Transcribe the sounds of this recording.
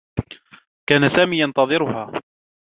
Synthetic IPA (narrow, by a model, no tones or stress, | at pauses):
kaːnasaːmiːjɑnt̪ɑðˤɨɾʊhaː